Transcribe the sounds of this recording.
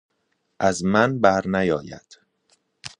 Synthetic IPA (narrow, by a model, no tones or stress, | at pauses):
ʔæzmænbæɾnæjɒːjæ̰d̪̥